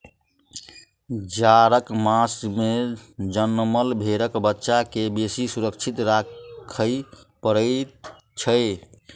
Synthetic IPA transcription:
d͡ʒaɾəkmasmed͡ʒənːməlbʱeɾəkbətːʃakebesisuɾəkt͡ʃʰit̪ɾakʰəj | pəɾə | t͡ʃʰəɪ

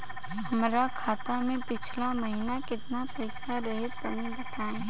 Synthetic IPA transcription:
hɐmɾakʰaːt̪amẽpɪt͡ʃʰlamɐɦinakɪt̪napɛɪsaɾɐɦɪt̪pɐnibɐt̪aːẽ

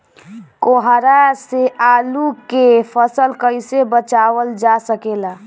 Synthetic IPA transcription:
koɦaɾaseaːlukepʰəsəlkəɪsebət͡ʃawəld͡ʒasəkela

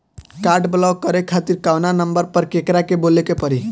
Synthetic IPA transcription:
kaɾɖblakəɾekʰat̪iɾkawnanəmbəɾpəɾkekɾakebolekepəɾi

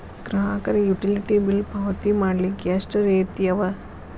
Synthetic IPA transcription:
ɡ̥ɾɐɦaːkɐɾejuʈiliʈibilbʱɐʋɐt̪imaːɽlikːeʂʈɐɾeːt̪ijɐʋɐ

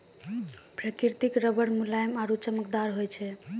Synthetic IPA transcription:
pɾəkiɾt̪ikɾəbəɽmulajmaɾut͡ʃəməkd̪aɾɦojt͡ʃʰɛ

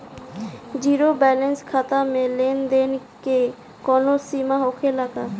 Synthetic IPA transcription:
d͡ʑiɾobɛlenskʰat̪amelend̪en | ke | kɔnosimaɦokʰelaka

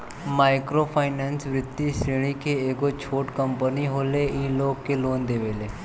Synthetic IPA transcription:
maːɪkɾopʰaːɪnɛːnsʋɾɪd̪ːiseɽ̃ikeeːkot͡ʃʰoːʈkə̃mpəniɦoːleʔiːloːɡkeloːnd̪eːʋeːleː

